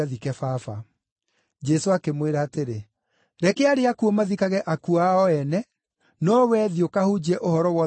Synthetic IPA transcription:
aðikɛfafa | d͡ʒɛsoakemweɾaːteɾe | ɾɛkɛaɾeakuɔmaðikaɣɛʔakuaɔɛnɛ | nɔwɛːðiokahud͡ʑɛʔohɔɾɔwɔ

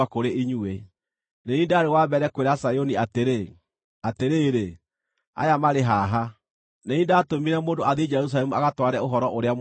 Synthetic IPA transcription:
akoɾeiɲue | neniːndaɾewaːbɛɾɛkweɾasajoniateɾe | ateɾeːɾe | a̰jamaɾeɦaːɦa | nenĩːndatomiɾɛmoːndoaðed͡ʒɛɾus̬alɛmuaɣatwaɾɛoɦɔɾɔʔoɾeam

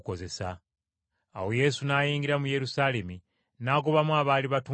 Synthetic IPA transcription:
koze̞sa̰ː | woje̞sunaːjiːŋɡiɾamuje̞ɾusaːle̞mi | naːɡoβamuaːβaːliβatu

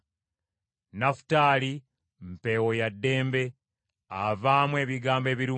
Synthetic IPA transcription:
nafu̥taːli | mpe̞wojadːe̞ːmbe̞ | avaːmwe̞ːβiɡaːmbe̞ːβiɾuː

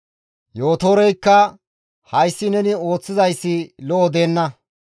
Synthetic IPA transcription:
jo̞ːt̪oːɾɛjkːɐ | hɐjsːɪnɛnɪo̞ːt͡sːɪzɐjsːɪlɔʔːd̪e̞ːnːɐ

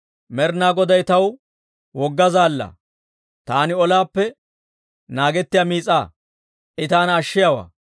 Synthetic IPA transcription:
mɛɾnaːɡɔd̪ɐjt̪ɐw | wɔɡːɐzaːlːɐ̰ | t̪aːnɪɔlaːpːɛ | naːɡɛt̪ːɪjamiːt͡sʼːaː | ʔɪt̪aːnɐːʃːɪjawa̰ː

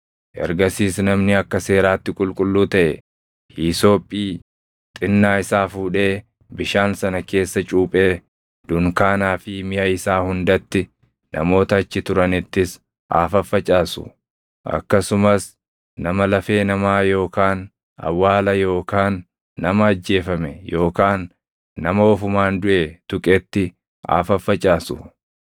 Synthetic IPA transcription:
ʔɛ̰ɾɡɐsiːsnɐmnɪɐkːɐse̞ːɾaːt̪ːɪkʼʊlkʼʊlːuːt̪ɐʔɛ | hiːso̞ːpʼːiː | t̪ʼɪnːaːɪsaːfuːᶑe̞ː | bɪʃaːnsɐnɐke̞ːsːɐt͡ʃʼuːpʼe̞ː | d̪̥ʊŋkaːnaːfɪmɪjɐɪsaːhʊnd̪ɐt̪ːɪ | nʔɐ̰mo̞ːt̪ɐːt͡ʃːɪt̪ʊɾɐnɪt̪ːɪs | a̰ːfɐfːɐt͡ʃʼaːsʊ̰ | ʔɐ̰kːɐsʊmɐs | nɐmɐlɐfe̞ːnɐmaːjo̞ːkaːn | ɐ̰wːaːlɐjo̞ːkaːnː | ɐmɐːd͡ʒːe̞ːfɐmɛjo̞ːkaːnː | ɐmɐɔfʊmaːnd̪ʊʔɛt̪ʊkʼɛt̪ːɪ | a̰ːfɐfːɐt͡ʃʼaːsʊ̰

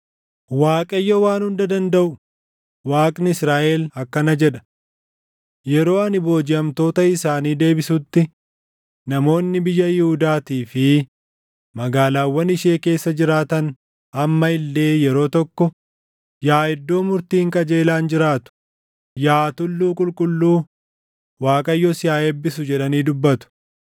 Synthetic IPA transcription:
waːkʼɐjːɔwaːnhʊnd̪ɐd̪ɐnd̪ɐʔʊ | waːkʼnɪɪsɾaːʔelɐkːɐnɐd͡ʒɛᶑɐ̥ | jɛɾo̞ːɐnɪbo̞ːd͡ʒɪɐmt̪o̞ːt̪ɐɪsaːniːd̪e̞ːbɪsut̪ːɪ | nɐmo̞ːnːɪbɪjːɐjɪhʊd̪aːt̪iːfɪ | mɐɡaːlaːwːɐnɪʃe̞ːke̞ːsːɐd͡ʒɪɾaːt̪ɐn | ɐmːɐɪlːe̞ːjɛɾo̞ːt̪ɔkːɔ | jaːɛd̪ːo̞ːmʊɾt̪iːŋkʼɐd͡ʒe̞ːlaːnd͡ʒɪɾaːt̪ʊ̥ | jaːt̪ʊlːuːkʼʊlkʼʊlːuː | waːkʼɐjːɔsɪjaːeːbːɪsʊd͡ʒɛᶑɐniːd̪ʊbːɐt̪ʊ̥

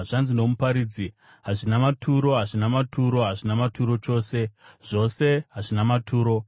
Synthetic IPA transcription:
ʐanzino̞mupaɾid͡zi | ɦaʐinamatʰuɾo̞ɦaʐinamatʰuɾo̞ɦaʐinamatʰuɾo̞t͡ʃo̞ːse̞ʐ̥o̞se̞ɦaʐinamatʰuːɾo̞

